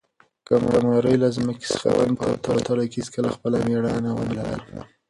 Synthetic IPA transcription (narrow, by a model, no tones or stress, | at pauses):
kamamɑɾəjlazməke̥sə̥xa̰da̰npə̰t̪ɑɽot̪ʰɑɽakizkəlaxpəlameɽanawənalala̰